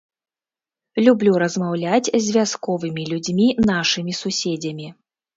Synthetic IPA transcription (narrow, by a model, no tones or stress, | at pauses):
lʲublʲuɾɐzmawlʲat͡sʲzʲvʲjaskɔvɨmʲilʲud͡zʲmʲinaʂɨmʲisusʲed͡zʲɐmʲi